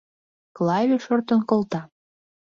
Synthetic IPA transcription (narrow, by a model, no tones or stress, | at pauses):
klɑvʲeʃort̪ənkolt̪ɑ